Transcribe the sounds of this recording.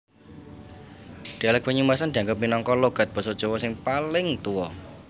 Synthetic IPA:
d̪̥ialɛk̚paɲumbasand̪i̤aŋɡəp̚minɔŋkɔloɡ̥a̤t̪̚b̥ɔ̤sɔd̥ʒ̥o̤wɔsɪŋpalɪŋt̪uwɔ

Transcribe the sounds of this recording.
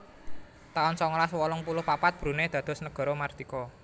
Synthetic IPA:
t̪aɔnsɔŋlaswɔlɔŋpulʊhpapat̪̚b̥ɾṳned̪̥a̤d̪̥ɔ̤snəɡ̥ɔ̤ɾɔmard̪̥ikɔ

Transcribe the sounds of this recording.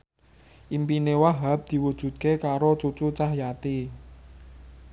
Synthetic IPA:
ʔimpinewaɦap̚d̪̥i̤wud̥ʒ̥ṳt̪̚kekaɾot͡ʃut͡ʃut͡ʃahjat̪i

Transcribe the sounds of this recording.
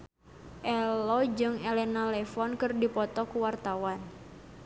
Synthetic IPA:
ʔɛlɔd͡ʒɨŋɛlɛnalɛfɔnkɨrdipɔt̪ɔkuwart̪awan

